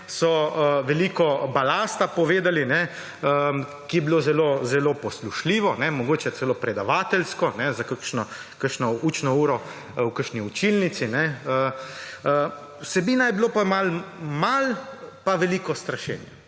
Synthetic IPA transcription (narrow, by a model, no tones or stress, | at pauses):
sɔʋɛliːkɔbalaːst̪apɔʋeːd̪alinɛ | ə | kijɛbiloːzɛlozɛlopɔsluʃliːʋɔnɛmɔɡoːt͡ʃɛt̪sɛloːpɾɛd̪aʋaːt̪ɛlskɔnɛzakəkʃnɔ | kəʃnɔuːt͡ʃnɔuːɾɔ | wkəɾʃniut͡ʃilnit̪sinɛə | ə | wsɛbiːnajɛbiloːpamalmalpaʋɛliːkɔst̪ɾaʃɛ̰ːnja